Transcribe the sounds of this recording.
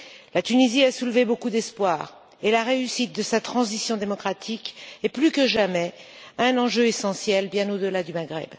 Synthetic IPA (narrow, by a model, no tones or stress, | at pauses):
lat̪yniziasulvebokud̪ɛspwaːʁ | elaʁeysit̪̚d̪əsat̪χɑ̃zisjɔ̃d̪emɔkχat̪ʰikeplykəʒamɛ | aɛ̃nɑ̃ʒøesɑ̃sjɛlbjɛ̃nod̪əlad̪ymaɡʁɛ̰b